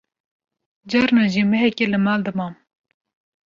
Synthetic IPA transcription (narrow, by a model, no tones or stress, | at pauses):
d͡ʒɑɾnaʒimɨɦɛkelɨmɑːld̪ɨmɑːm